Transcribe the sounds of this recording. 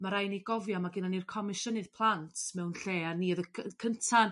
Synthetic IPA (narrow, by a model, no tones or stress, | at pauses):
maɾajniɡɔvjɔmaɡɪnanirkʰɔmɪʃənɨð̥pʰlˠantʰmɛwnɬeːanːiəðəəkʰəntʰan